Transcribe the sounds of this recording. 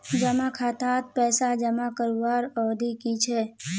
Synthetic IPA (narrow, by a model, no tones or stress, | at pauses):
d͡ʒəmakʰat̪at̪̚pɛːsad͡ʒəmakəɾʋaɾɔːd̪ʱikit͡ʃʰe